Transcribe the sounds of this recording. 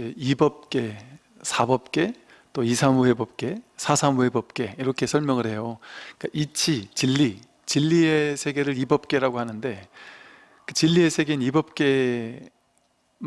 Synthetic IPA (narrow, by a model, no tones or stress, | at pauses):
eibʌp̚k͈e̞ | sʰabʌp̚k͈e̞ | t͈oisʰamuhe̞bʌp̚k͈e̞sʰasʰamuhe̞bʌp̚k͈e̞iɾʌkʰe̞sʰʌɭmjʌŋɯɭɦe̞jok͈aʔit͡ɕʰit͡ɕilːi | t͡ɕilːiesʰe̞ɡe̞ɾɯɾibʌp̚k͈e̞ɾaɡohanɯnde̞ | kɯt͡ɕilːie̞sʰe̞ɡe̞nibʌp̚k͈e̞